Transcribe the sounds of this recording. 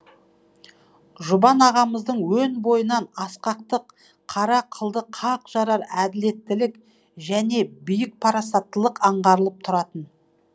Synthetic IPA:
ʒʊbɑnɑʁɑməzd̪əɴwɵnbo̞jənɑnɑsqɑq̚t̪əqʰː | ɑɾɑqʰəlˠd̪əqʰɑqʒ̥ɑɾɑɾæd̪ɪle̞t̪ːɪlɪk | ʒæne̞bʏjɪk̚pʰɑɾɑsɑt̪ːəlˠəqɑɴʁɑɾəlˠəp̚t̪ʰʊɾɑt̪ən

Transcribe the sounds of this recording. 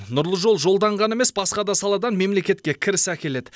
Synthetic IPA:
nʊɾlˠəʒo̞lˠʒo̞lˠd̪ɑɴʁɑne̞me̞sbɑsqɑd̪ɑsɑlˠɑd̪ɑnme̞mle̞kʲe̞t̪̚kʲe̞kʲʰɪɾɪsækʲe̞le̞d̪ɪ

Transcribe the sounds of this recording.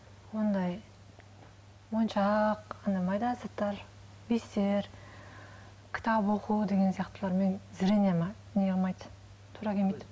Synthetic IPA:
wo̞nd̪ɑj | wonʃɑqɑnɑmɑjd̪ɑzɑt̪ːɑɾ | best̪eɾ | kʲʰɪ̥t̪ɑbwoqud̪e̞ɡʲe̞nsijɑqt̪əlˠɑɾme̞nzɪɾenemɑ | neɡeɑlˠmɑjd̪ | t̪ʰːuɾɑkʲʰemejd̪

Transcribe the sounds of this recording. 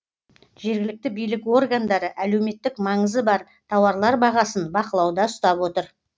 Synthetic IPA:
ʒ̥e̞ɾɡʲɪlɪk̚t̪ɪbijlɪko̞rɡand̪ɑɾəʔæle̞wme̞t̪ːɪkmɑɴəzəbɑɾ | t̪ʰɑwɑɾlˠɑɾbɑʁɑsənbɑqəlˠɑwd̪ɑʊst̪ɑpwo̞t̪əɾ

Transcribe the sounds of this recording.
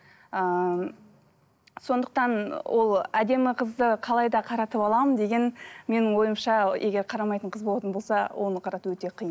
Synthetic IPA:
ə | so̞nd̪əq̚t̪ɑnwʔo̞lˠæd̪e̞mɪqʰəzd̪əqʰɑlˠɑjd̪ɑqʰɑɾɑt̪əpɑlˠɑmənd̪e̞ɡʲe̞nme̞nɪŋwo̞jəmʃɑʔeɡʲe̞ɾqʰɑɾɑmɑjt̪əɴqʰəzbo̞lˠɑt̪ənbo̞lˠsɑwʔo̞nəqʰɑɾɑt̪əwɵt̪e̞qʰijə

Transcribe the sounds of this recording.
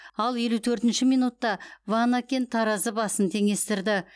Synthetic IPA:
ɑlˠje̞lut̪ʰɵɾt̪ɪnʃɪmijnut̪ːɑvɑnakʲent̪ʰɑɾɑzəbɑsənt̪ʰe̞ŋe̞st̪ɪɾd̪ɪ

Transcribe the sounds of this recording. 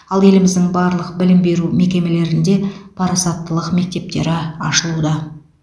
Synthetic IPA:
ɑlˠje̞lɪmɪzd̪ɪŋbɑɾlˠəqbɪlɪmbe̞ɾume̞kʲe̞me̞le̞ɾɪnd̪e̞pʰɑɾɑsɑt̪ːəlˠəqme̞k̚t̪e̞p̚t̪e̞ɾɪɑʃəlˠud̪ɑ

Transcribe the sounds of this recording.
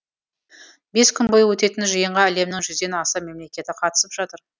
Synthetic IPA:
be̞skʲʰʏnbojwɵt̪e̞t̪ɪnʒijəɴʁɑæle̞mnɪŋʒʏzd̪e̞nɑsəme̞mle̞kʲe̞t̪ɪqʰɑt̪ə̥səpʒ̥ɑt̪əɾ

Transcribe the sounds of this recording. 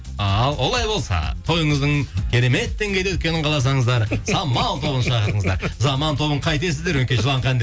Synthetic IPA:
ɑlˠwo̞lˠɑjbo̞lˠsɑ̰t̪ʰo̞jəɴəzd̪əɴkʲʰe̞ɾe̞me̞t̪ːeŋɡʲe̞jd̪wʏt̪̚ʲkʲe̞nɪɴqʰɑlˠɑs̬ɑɴəzd̪ɑɾsɑmːɑlˠt̪ʰo̞bənʃɑqəɾt̪əɴəzd̪ɑ̰ɾzɑmɑnt̪ʰo̞bəɴqʰɑjt̪̬e̞sɪzd̪eɾwenkʲeʒəlˠɑɴqʰɑnd̪e

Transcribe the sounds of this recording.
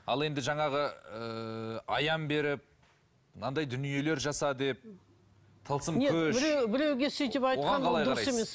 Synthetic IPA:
ɑlˠe̞nd̪ɪʒɑɴɑʁəəɑjɑmbe̞ɾɪp̚ | nɑnd̪ɑjd̪ʏnije̞le̞ɾʒɑsɑd̪e̞p̚ | t̪ʰəlˠsəmneɵbɪɾewbɪɾe̞wɡʲesejt̪epɑjtoʁqɑɑnqʰɑlˠɑjɾɑɾɑemes

